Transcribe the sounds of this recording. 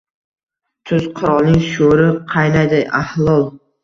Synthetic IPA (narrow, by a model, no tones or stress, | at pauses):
t̪ʰʊz̥qʰʊɾɒlˠnɪŋʃoɾɪqʰɑjnajd̪ajʔahlˠɒlˠ